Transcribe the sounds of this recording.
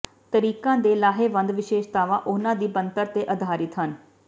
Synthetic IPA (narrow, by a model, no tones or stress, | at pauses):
t̪əɾiːkãːd̪eːlaːɦeːʋə̃nd̪ʋɪʃeːʃt̪aːʋãːʔʊnãːd̪iːbənt̪əɾt̪eːʔəd̪ʱaːɾɪt̪ɦən